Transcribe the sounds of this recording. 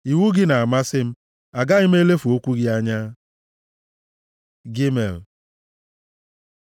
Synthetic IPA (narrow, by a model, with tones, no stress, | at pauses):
i˨wu˦ɡɪ˦na˨a˨ma˦sɪ˦m̩˦ | a˨ɡa˦ɪ˦m̩˦e˦le˦fu˨o˦kʷu˦ɡɪ˦a˦ɲa˦ | ɡi˦me˨l